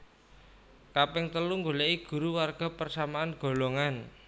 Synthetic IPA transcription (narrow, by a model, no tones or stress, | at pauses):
kapɛŋt̪əluŋɡolɛʔiɡ̥ṳɾuwarɡ̥a̤pərsamaanɡ̥o̤loŋan